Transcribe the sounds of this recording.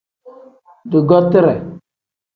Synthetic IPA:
dʊ˨ɡɔ˦tɪ˦ɾɛ˨

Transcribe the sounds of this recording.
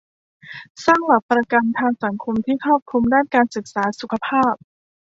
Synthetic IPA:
saː˥˩ŋla˨˩pːɾa˧ka˧nt̪ʰaː˧ŋsa˩˦ŋkʰo˧mt̪ʰiː˥˩kʰɾɔː˥˩p̚kʰu˧mdaː˥˩nkaː˧nsɯ˨˩k̚saː˩˦su˨˩kʰa˧pʰaː˥˩p̚

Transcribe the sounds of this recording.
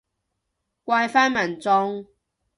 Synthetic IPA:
kʷwaː˧jfaː˥nmɐ˨˩nt͡sɔ˧ŋ

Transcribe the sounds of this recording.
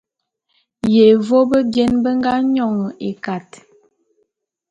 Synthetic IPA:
je˨vo˦bə˦djɛ˦nbə˦ŋ˦ɡa˦ɲɔ˦˨ŋə˨ʔe˨ka˨t

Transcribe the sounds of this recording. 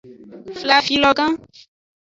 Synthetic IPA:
fla˨fi˨lɔ˧ɡã˦

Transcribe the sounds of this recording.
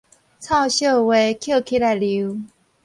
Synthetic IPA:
t͡sʰa˥˧ʊɕjo˥˧˨we˨˧˦kʰjo˥˨kʰi˥˧˦la˧˩li˧˦

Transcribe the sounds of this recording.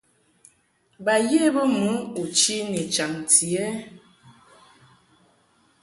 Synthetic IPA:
ba˨je˦bə˦mu˨˦u˨t͡ʃi˦ni˨t͡ʃa˨ŋti˨ɛ˦

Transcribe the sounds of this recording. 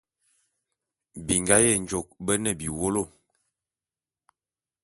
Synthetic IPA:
bi˨ŋɡa˦jɛ˦˨n˨d͡ʒo˨k̚bə˦nə˦˨bi˨wo˦lo˦˨

